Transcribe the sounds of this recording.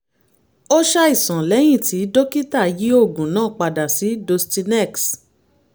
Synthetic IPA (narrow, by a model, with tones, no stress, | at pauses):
o˦ʃa˦i˦˨sã˨lɛ˨˦j̃ĩ˦˨ti˨˦do˦ki˦ta˦˨˦ji˨˦o˦˨ɡũ˨nãː˦˨k͡pa˧da˨si˨˦do˧sti˧nɛ˦˨ks